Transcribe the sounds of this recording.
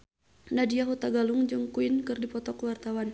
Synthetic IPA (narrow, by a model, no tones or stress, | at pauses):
nadiaɦut̪aɡaluŋd͡ʒuŋkuinkɨrdipɔt̪ɔkwart̪awan